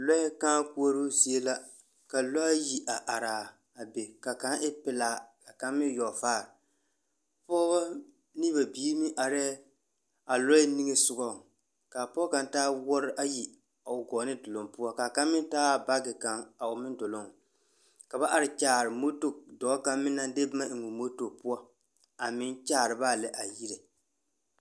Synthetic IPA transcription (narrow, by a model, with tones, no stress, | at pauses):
lɔ˦ɪ˦kaː˦ku˦o˦ɾu˦si˨e˦la˦ | ka˨lɔ˦ji˨ʔa˨ʔa˨ɾaː˨ | a˨be˨ka˨ka˨˦ɪ˦pɪ˨laː˨ka˨ka˦mɪ˦jɔ˨faː˦˨ɾ | pɔː˦ba˦ | ni˦ba˨biː˦mɪ˦ʔa˨ɾɛ˦ | a˨lɔ˦ɪ˦ni˦ŋe˦sʊ˦ɡɔ˦˨ | ka˨pɔ˦ka˨ntaː˦wɔ˦ɾɪ˦ʔa˦ji˨ | a˨ʊ˨ɡɔː˨˦nɨ˦dʊ˨lo˨ŋpu˦ɔ˦ka˨ka˦mːɪ˦n˦taː˦ba˦ɡɪ˨ka˨ŋa˨ʊ˨mɪ˦ndo˨lo˦ŋ | ka˨ba˦ʔa˦ɾɪ˨t͡ʃaː˨ɾɨ˨mo˦to˦dɔ˨˦ka˦mːɪ˦nːa˦nde˦bma˦ʔɪ˨ŋo˨mo˦to˨pu˦a˦ | a˨mɪ˦nt͡ʃaː˦˨ɾɨ˨ba˦lɪ˨ʔa˨ji˦ɾe˨